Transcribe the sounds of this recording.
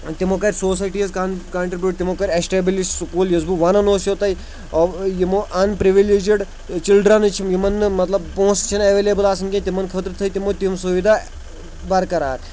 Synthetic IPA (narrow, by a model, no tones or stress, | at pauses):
t̪imokɐɾʲsoːs̬aːjʈiezkankaːɳʈɾibʲjuːʈ̚t̪imokɐɾʲesʈebilisʈsukuːljɐzbuʋɐnɐnoːsjot̪ɐi | jimoʔɐnpɾiʋileːd͡ʒiɖ | t͡ʃilɖɾanɨt͡ʃʰimjimɐnːɨmɐt̪lɐbpõːst͡ʃʰinɐʋeːleːbəlaːsɐŋkʲẽt̪imɐnkʰɐt̪ɾt̪ʰɐit̪imot̪imsuʋid̪ʱa | bɐɾkɐɾa̰ːt̪